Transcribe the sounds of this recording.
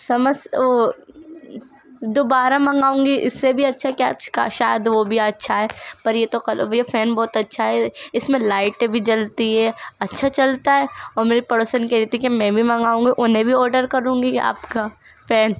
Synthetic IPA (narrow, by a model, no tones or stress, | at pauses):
sɐməs | d̪oːbaːɾamɐ̃ŋɡaːũːŋɡiʔɪ̰sːebʱiɐtːʃʰaka̰t͡ʃka̰ʃaːjəd̪ʋobʱiɐtːʃʰaɦɛːpɐɾjet̪okɐljefɛːnbɔːt̪ɐtːʃʰaɦɛɪsmẽlaːɪʈbʱid͡ʒɐlt̪iɦɛːɐtːʃʰat͡ʃɐlt̪aɦɛɔːɾmeːɾipɐɽoːsənkɛɾiːt̪ikimɛ̃bʱimɐ̃ŋɡaːũːŋɡiʔʊnɦẽbʱiɔːɾɖəɾkɐɾũːŋɡia̰ːpka | fɛːn